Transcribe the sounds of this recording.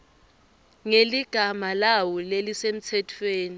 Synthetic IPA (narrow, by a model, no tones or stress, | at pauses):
ŋeliɡ̥ʱamalawɔlelisem̩t͡sʰɛtʰweːni